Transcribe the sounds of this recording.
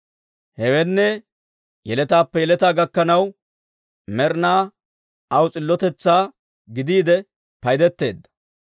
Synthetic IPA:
hɛwɛnːɛ | jɛlɛt̪aːpːɛjɛlɛt̪aːɡɐkːɐnɐw | mɛɾnaː | ɐwt͡sʼɪlːɔt̪ɛt͡sːaː | ɡɪd̪iːd̪ɛ | pɐjd̪ɛt̪ːe̞ːd̪ːɐ̥

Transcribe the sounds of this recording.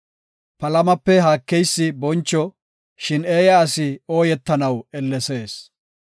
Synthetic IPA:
pɐlɐmɐpːɛɦaːkːɛjsːɪbɔnt͡ʃːɔ | ʃɪneːjɐːsɪo̞ːjɛt̪ːɐnɐwɛlːɛse̞ːs

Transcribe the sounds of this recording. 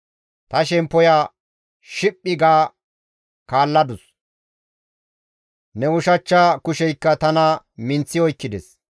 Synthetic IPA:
t̪ɐʃɛmpːɔjaː | ʃɪpʼːɪɡaː | kaːlːɐd̪ʊs | nɛʊʃɐt͡ʃːakʊʃɛjkːɐt̪ɐnɐ | mɪnt͡sːɪɔjkːɪd̪ɛs

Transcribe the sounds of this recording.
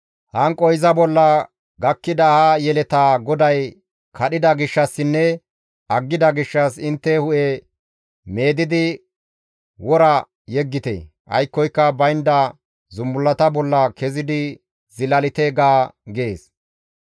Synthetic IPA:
hɐŋkʼɔjzɐbɔlːɐ | ɡɐkːɪd̪ɐhajɛlɛt̪aːɡɔd̪ɐj | kʰɐɗɪd̪ɐɡɪʃːɐsːɪnːɛ | ɐɡːɪd̪ɐɡɪʃːɐsɪnt̪ːɛhʊʔɛ | me̞ːd̪ɪd̪ɪ | wɔɾɐ | jɛɡːɪt̪ḛ | ʔɐ̰jkːɔjkːɐbɐjnd̪ɐ | zʊmːʊlːɐt̪ɐbɔlːɐkɛzɪd̪ɪ | zɪlɐlɪt̪ɛɡaːɡe̞ːs

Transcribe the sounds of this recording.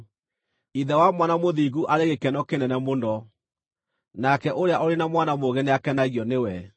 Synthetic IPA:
iðɛwamwanamoðiɣuʔaɾeɣekɛnɔkenɛnɛmondɔ | nakɛʔoɾeaʔɔɾenamwanamoɣɛneakɛnaɣjɔnewɛ

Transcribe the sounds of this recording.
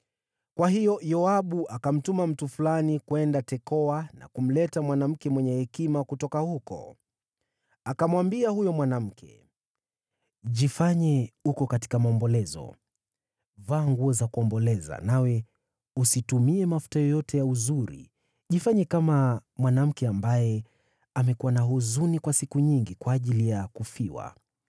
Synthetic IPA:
kwaɦijɔjɔaɓuʔakam̩tumam̩tufulanikwɛndatɛkɔana̰kum̩lɛtamwanam̩kɛmwɛɲɛhɛkimakutɔkahukɔ̰ | akamwambiahujɔmwanam̩kʰɛ̰ | ʄifaɲɛukɔkati̥kamaɔmbɔlɛzɔ̰ | vaːŋɡuɔzakuɔmbɔlɛza̰nawɛ | usitumiɛmafu̥tajɔjɔtɛjauzuɾḭ | ʄifaɲɛkamamwanam̩kɛambajɛ | amɛkuwanaɦuzunikwasikuɲiŋɡikwaːʄilijakufiwa̰

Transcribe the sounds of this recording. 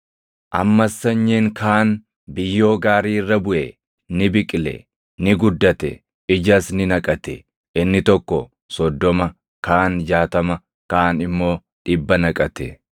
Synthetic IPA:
ʔɐmːɐsːɐɲːeːŋkʰaːn | bɪjːo̞ːɡaːɾiːrːɐbʊʔe | nɪbɪkʼɪlɛ̰ | nɪɡʊd̪ːɐt̪ɛ̰ | ɪd͡ʒɐsnɪnɐkʼɐt̪ɛ̰ | ʔɪnːɪt̪ɔkːɔ | sɔd̪ːɔmɐ | kaːnd͡ʒaːt̪ɐmɐ | kaːnɪmːo̞ː | ᶑɪbːɐnɐkʼɐt̪ɛ

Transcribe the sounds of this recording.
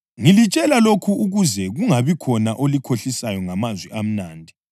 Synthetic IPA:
ŋilit͡ʃʼɛlalokʰuuɣuzɛɣuŋaβikʰɔnaʔolikʰoɬisajɔŋamazwɛʔam̩naːndʱi

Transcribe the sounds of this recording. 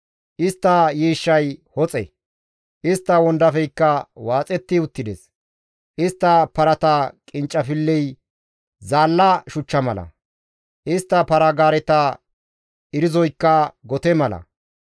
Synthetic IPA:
ʔɪst̪ːɐjiːʃːɐjhɔt͡sʼɛ̰ | ʔɪst̪ːɐwɔnd̪ɐfɛjkːɐwaːt͡sʼɛt̪ːɪʊt̪ːɪd̪ɛs | ʔɪst̪ːɐpɐɾɐt̪ɐkʼɪnt͡ʃʼːɐfɪlːɛj | zaːlːɐʃʊt͡ʃːɐmɐlɐ̰ | ʔɪst̪ːɐpɐɾɐɡaːɾɛt̪ɐ | ʔɪɾɪzɔjkːɐɡɔt̪ɛmɐlɐ̰

